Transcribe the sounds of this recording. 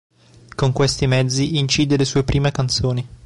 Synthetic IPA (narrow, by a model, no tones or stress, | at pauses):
koŋkwest̪imɛd̪zːiint͡ʃiːd̪elesuːepɾʔiːmekant̪soːni